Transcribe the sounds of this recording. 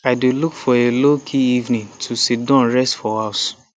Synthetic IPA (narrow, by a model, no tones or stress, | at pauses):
aɪdelukfɔelokʰiivnĩtʰusit̚dãnɹɛstfɔas